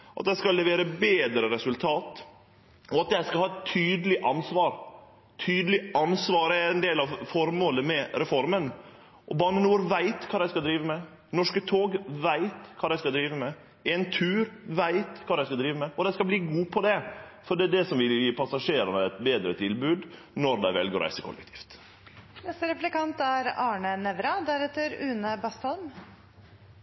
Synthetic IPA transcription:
ʔɑ̰t̪̚d̪ɛæɪskɑlːɛʋeːɾəbeːd̪ɾəɾɛsʉlt̪ʰɑːt̪ | ɔɑt̪̚æɪskɑlhɑːɛt̪ʰːyːd̪əlɪʔɑnsʋɑːɾ | t̪ʰyːd̪əlɪɑnsʋɑːɾəæɛnd̪eːlɑʋfɔɾmoːləmɛɾɛfɔɾmən | ʔɔbɑːnənuːɾʋæɪt̪kʰɑːɾæɪskɑld̪ɾiːʋəmɛ | nɔʂkət̪ʰoːɡʋæɪt̪kʰɑːæɪskɑld̪ɾiːʋəmɛ | ɛnt̪ʰʉːɾʋæɪt̪kʰɑːd̪æɪskɑld̪ɾiːʋəmɛɔd̪æɪskɑbliːɡuːpʰɔd̪ɛfɔɖɛɖ̪ɛsɔmʋɪlɪpʰɑsɑʂeːɾɑnəɛt̪beːd̪ɾət̪ʰɪlbʉːd̪ | nɔɾd̪æɪʋɛ̰lɡəɾæ̰ɪsəkʰɔ̰lːɛ̰kt̪ʰi̥ːft̪ | nɛst̪əɾɛplɪkɑnt̪æɾɑːɳənɛʋɾɑd̪æɾɛt̪ːəɾʉːnəbɑst̪ɑlm

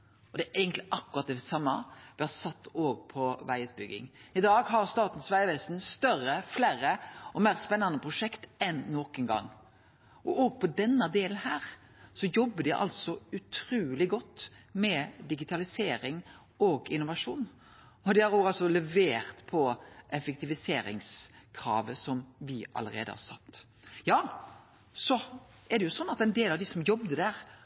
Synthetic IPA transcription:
ɔd̪ɛʔɛɪɡənt̪lɪʔɑkːʉɾɑt̪̚d̪ɛsɑmːɑʋɪhɑsɑt̪ːoːɡ̚pʰɔʋæɪət̪̚bʏɡːɪ̰ŋɪd̪ɑːɡɦɑɾst̪ɑːt̪n̩sʋæɪʋɛst̪nst̪œɾəflæːɾəɔmeːʁspɛnːɑnəpʰɾʊʂɛkt̪ɛnːɔkənɡɑ̰ŋː | ɔʔoːɡ̚pʰɔd̪ɛnːɑd̪eːlnhæːɾ | sɔjɔbːəd̪ɪʔɑ̰lt̪sɔʉt̪ʰɾuːlɪɡɔt̪ːmɛd̪ɪɡɪt̪ʰɑlɪseːɾɪŋ | ɔɡɪnːʊʋɑʂuːn | ɔd̪ɪhɑɾoɡɑlsɔlɛʋeːɾt̪pʰɔʔɛfɛk̚t̪ɪʋɪseːɾɪ̰ŋskʰɾɑ̰ːʋəsɔmʋɪʔɑ̰ləɾḛːd̪ə̰hɑ̰ɾsɑ̰t̪ː | jɑː | sɔ | ɛd̪ɛjʊsɔnːɑt̪ɛnd̪eːlɑʋd̪ɪsɔmjɔbd̪əd̪æɾ

